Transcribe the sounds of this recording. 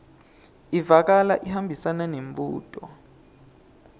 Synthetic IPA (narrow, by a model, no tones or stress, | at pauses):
ivak̬ala̰ʔihambʱisananeɱvuːtʼɔ